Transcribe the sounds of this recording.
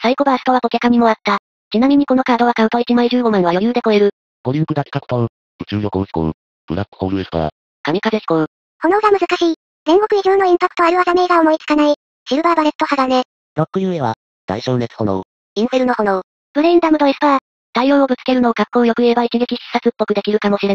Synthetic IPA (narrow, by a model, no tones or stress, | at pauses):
saiko̞baːsɨ̥t̪o̞βakokʲakamʲimo̞at̪ːa | t͡ɕinamʲiɲ̟iko̞no̞kaːd̪o̞βakãɯ̃t̪oit͡ɕimaiʑɨːɡo̞mãɰ̃βajo̞jɯːd̪e̞ko̞e̞ɾɯ̟ | koɾʲiɯkɯd̪akʲe̥kakɯ̟̥t̪oɯ | ɯ̟t͡ɕɨːjokoɯ̟sko̰ŋ̰ | b̥ɯ̟ɾakːɯ̥oɾɯesp̪a̰a̰ | kamʲikazeɕi̥kõɯ̟ | ho̞no̞ɡamɯ̟zɨkaɕiː | d͡zẽ̞ŋɡo̞kɯ̟iʑoːno̞ĩmpakːɯ̥t̪o̞aɾɯ̟βazame̞ɡao̞mo̞it͡sɨ̥kanai | t͡ɕiɯ̟baːbaɾe̞t̪ːo̞haɡane | ɾokːɯ̟jɯːeβa̰ | d̪̥a̰iɕoːnet͡sɨ̥hono | ĩɰ̃ɸeɾɯ̟no̞ho̞no | b̥ɯ̟ɾe̞ĩnd̪amɯ̟d̪oesɨ̥p̪aa | d̪̥aijo̞ːobɯ̟t͡sɨ̥ke̞ɾɯ̟no̞ːɡakːo̞ːjo̞kɯ̟e̞bait͡ɕiɡe̞kʲiɕi̥sat͡sɨpːo̞kɯ̟d̪e̞kʲiɾɯ̟kamo̞ɕiɾe̞